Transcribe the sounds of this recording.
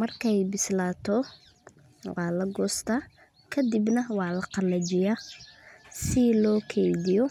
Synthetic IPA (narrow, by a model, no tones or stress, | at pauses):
mɐrkʰɛjbɪslaːt̪ʰɔ | wɑːlɐɡɔːst̪ʰa | kʰɐd̪ibnɐwɑːlɐqɑlɐd͡ʒɪja | sɪlɔːkʰɛjd̪ɪjɔ